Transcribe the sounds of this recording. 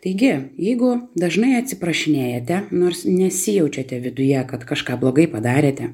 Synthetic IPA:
t̪ɐɪɡʲɪjɛɪɡʊd̪ɐʒnɐɪɐt̪ʲsʲɪpɾɐʃʲɪnʲeːjɛːt̪ʲɛnoːrsnʲɛsʲɪjɛʊt͡ʃʲɛt̪ʲɛʋʲɪd̪ʊjɛkɐt̪kɐʃkɑːblˠoːɡɐɪpɐd̪ɑːɾʲeːt̪ʲɛ

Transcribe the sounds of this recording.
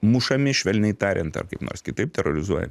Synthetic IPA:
mʊʃɐmʲɪʃʲʋʲɛlʲnʲɛɪt̪ɑːɾʲʔɛnt̪ɐ̰rkɐɪpno̰ːrsʲkʲɪt̪ɐɪp̚t̪ʲɛɾoɾʲɪzuɔjɛ̰m

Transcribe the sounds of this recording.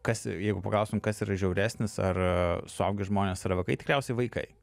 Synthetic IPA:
kɐsjɛɪɡʊpɐ̰klˠɐˑʊst̪ʊmkɐsiːɾɐʒʲɛʊɾʲæːsʲnʲɪsɐ̰rsʊɐ̰ʊɡʲɪʒmoːnʲeːsɐɾʋɐɪkɐɪt̪ʲɪ̥kɾʲæˑʊsʲɛɪʋɐɪkɐ̰ɪ

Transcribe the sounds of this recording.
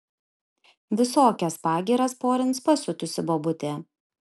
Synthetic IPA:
ʋʲɪsoːkʲɛspɑːɡʲiːɾɐspoːɾʲɪnspɐsʲʊt̪ʊsʲɪboːbʊt̪ʲeː

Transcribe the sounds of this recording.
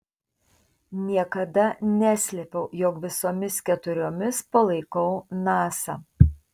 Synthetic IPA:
nʲiɛkɐd̪ɐnʲæːsʲlʲɛpʲɛʊjɔkʋʲɪsoːmʲɪskʲɛt̪ʊɾʲoːmʲɪspɐlˠɐɪkɐʊnɑːsɑ̰ː

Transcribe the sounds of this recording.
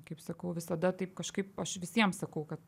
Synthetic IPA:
kɐɪpsɐkɐʊʋʲɪsɐd̪ɐt̪ɐɪpkɐʃkɐɪpɐʃʋʲɪsʲiɛmsɐkɐʊkɐt̪

